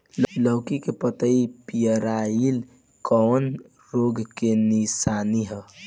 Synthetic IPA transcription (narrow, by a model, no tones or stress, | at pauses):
ləwkikepət̪əipijəɾail | kɔːn | ɾoɡkenisaniɦə